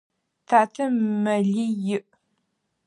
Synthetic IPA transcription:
tʰaːtʰɐmɐɮijɪʔ

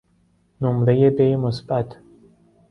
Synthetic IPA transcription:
nomɾejebemosbæt̪ʰ

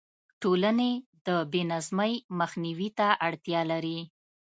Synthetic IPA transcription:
ʈolaned̪əbenazməjməxniwit̪aʔaɽt̪jɑlaɾi

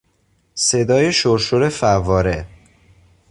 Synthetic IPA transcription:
se̞d̪ɒːjeʃoɾʃoɾe̞fævɒːɾe

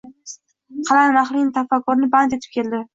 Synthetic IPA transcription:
qʰɑlanmaχlɪnɪt̪ʰafakːʊɾnɪbant̪et̪ʰɪ̥p̚kʲʰe̞ld̪ɪ

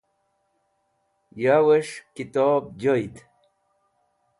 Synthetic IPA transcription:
jaweʂkit̪oːb̚d͡ʑojt̪

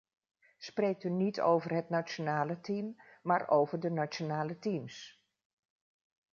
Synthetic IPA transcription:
sprejk̚tynitʰo̰wvərɦətnat͡ʃonaːlətimːaːɹʔowvəɹdənat͡ʃonaːlətims

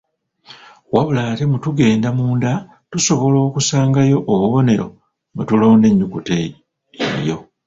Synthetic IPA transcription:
waβulaːte̞mutuɡe̞ːndamuːnda | tuso̞βo̞lo̞ːkusaːŋɡajo̞ʔːβuβo̞ne̞ɾo̞̰ | ŋɡutulo̞ːnde̞ɲːukutḛ | jo̞

